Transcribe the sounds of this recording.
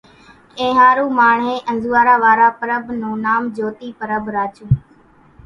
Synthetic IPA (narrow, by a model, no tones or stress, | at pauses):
kẽːɦaːɾuːmaːɳɦeːʔənzuːaːɾaːʋaːɾaːpəɾəbnũːnaːmd͡ʒoːt̪iːpəɾəbɾaːt͡ʃũː